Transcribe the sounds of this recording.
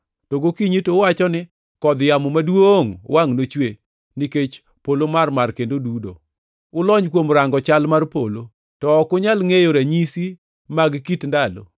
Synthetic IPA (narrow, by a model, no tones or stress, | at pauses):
toɡokiɲitowat͡ʃɔnɪ | kɔd̪jamomadwoŋwʔaŋnot͡ʃwe | niket͡ʃ | polomarmarkendodudo̰ | ʊlɔɲkwomɾaŋɡɔt͡ʃalmarpolo | tɔːkʊɲalŋejoɾaɲisi | maɡkitndalo̰